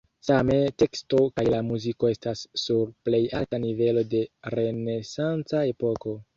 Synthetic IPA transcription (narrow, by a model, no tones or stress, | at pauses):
same̞te̞ksto̞kajlamuziko̞e̞stasːuɾple̞jaltanive̞lo̞de̞ɾe̞ne̞sant͡sae̞po̞ko̞